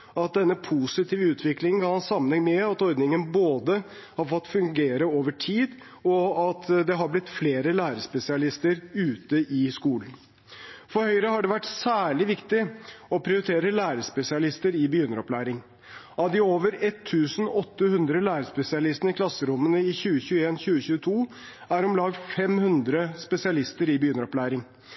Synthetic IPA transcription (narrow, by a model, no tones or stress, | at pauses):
ɑt̪̚d̪ɛnːəpʰusɪt̪ʰiːʋəʉːt̪ʰʋɪklɪŋənɡɑːhɑnsɑmːənɛŋmɛɑt̪ɔɾd̪nɪŋənboːd̪əhɑɾfɔt̪ːfʉŋɡeːɾəoːʋəʈʰiːd̪ | ɔɑt̪d̪ɛɦɑɾblɪt̪fleːɾəlæːɾəspɛsɪɑlɪst̪əɾʉːt̪əʔɪskuːlən | fɔɾhœʏɾəhɑɖɛʋæʈːsæːɭɪʋɪkt̪ɪɔpʰɾɪʊɾɪt̪ʰeːɾəlæːɾəspɛsɪɑlɪst̪əɾɪbəjʏnəɾɔplæːɾɪŋ | ɑʋd̪ɪoːʋəɾɛt̪ʰːʉːsn̩ɔt̪ːəhʉnd̪ɾəlæːɾəspɛsɪɑlɪst̪ənəɪkʰlɑsːəɾʊmːənəɪçʉːəçʉːəeːnçʉːəçʉːət̪ʰuː | æɾɔmlɑːɡ̪fɛmhʉnd̪ɾəspɛsɪɑlɪst̪əɾɪbəjʏnəɾɔplæːɾɪŋ